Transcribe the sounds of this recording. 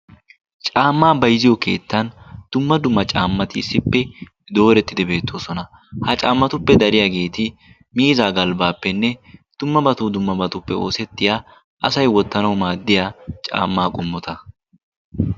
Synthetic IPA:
t͡ʃʼaːmːaːbɐjzɪjɔke̞̰ːt̪ːɐnd̪̥ʊmːɐd̪ʊmːɐt͡ʃʼaːmːɐt̪ɪːsːɪpːɛ | d̪o̞ːɾɛt̪ːɪd̪ɛbe̞ːt̪ːo̞ːsɔnɐ | hɐt͡ʃʼaːmːɐt̪ʊpːɛd̪ɐɾɪjaːɡe̞ːt̪ɪ | miːzaːɡɐlbaːpːɛnːɛd̪̥ʊmːɐbɐt̪uːd̪ʊmːɐbɐt̪ʊpːɛo̞̰ːsɛt̪ːɪja | ʔɐsɐjwɔt̪ːɐnɐwmaːd̪ːɪjaːt͡ʃʼa̰ːmːaːkʼʊmːɔt̪ɐ

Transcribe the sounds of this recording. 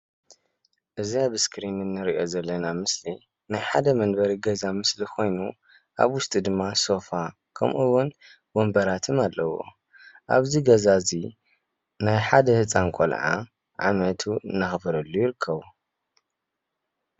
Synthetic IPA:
ʔɨziaβɨskʰɾinɨnːɨɾiʔo̞zɐlːɐnamɨsli | najħad̪ɐmɐnbɐɾiɡɐzamɨslikʰo̞jnu | ʔa̰βwʊst̪ʼid̪ɨmːaso̞fa | kʰɐmʔuwʊn | bombɐɾat̪ʰɨmalːɐwo̰ | ʔa̰βziɡɐzazi | najħad̪ɐhɨt͡sʼankʼo̰lʕa̰ | ʕa̰mɐt̪ʰuɨnːaxɨfɐɾɐlːujɪɾɨkʰːɐβu

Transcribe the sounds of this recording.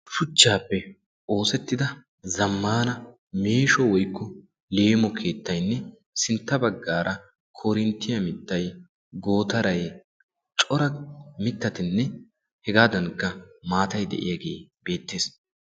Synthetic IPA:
fʊt͡ʃːaːpːɛ | o̞ːsɛt̪ːɪd̪ɐ | zɐmːaːnɐ | meːʃɔwɔjkːɔ | le̞ːmɔkʰe̞ːt̪ːɐjnːɛ | sɪnt̪ːɐbɐɡːaːɾʔɐ | kʰoɾɪnt̪ːɪjɐmɪt̪ːɐj | ɡo̞ːt̪ɐɾɐj | t͡ʃʼɔɾɐmɪt̪ːɐt̪ɪnːɛ | hɛɡaːd̪ɐnkːɐmaːt̪ɐjd̪ɛ̰ʔɪjaːɡe̞ːb̥e̞ːt̪ːe̞ːs

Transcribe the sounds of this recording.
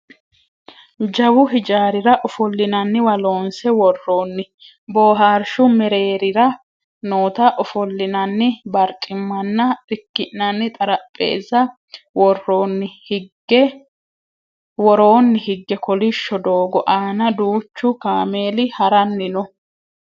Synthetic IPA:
d͡ʒɐwʊɦɪd͡ʒaːɾɪɾɐʔɔfɔlːɪnɐnːɪwɐlo̞ːnsɛwɔrːoːnːɪ | bo̞ːɦaːɾʃʊmɛɾe̞ːɾɪɾɐ | noːt̪ɐʔɔfɔlːɪnɐnːɪbɐɾt̪ʼɪmːɐnːɐɪkːɪʔnɐnːɪt̪ʼɐɾɐpʼːe̞̰ːzɐ | wɔrːonːɪɡɛ | wɔɾo̞ːnːɪhɪɡːɛkɔlɪʃːɔd̪o̞ːɡɔʔaːnɐd̪uːt͡ʃːʊkaːme̞ːlɪhɐɾɐnːɪnɔ

